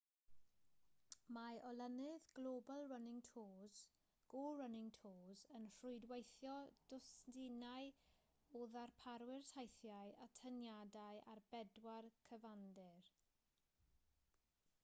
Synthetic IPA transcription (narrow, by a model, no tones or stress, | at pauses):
maʔɔlənɪðɡ̥lobalˠrənɪŋtʰoːz | ɡ̥orənɪŋtʰoːzənr̥rʊɨdwejθjɔd̥ʊsdɪnaj | oːðarpʰaɾwɪrtʰajθjaɨatʰənjadajʔarbɛdwarkʰəvandɪr